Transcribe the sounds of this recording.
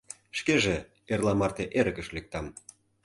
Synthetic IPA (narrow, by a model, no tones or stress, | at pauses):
ʃkeʒe | erlɑmɑrt̪eʔeɾə̆kə̆ʃlek̚t̪ɑm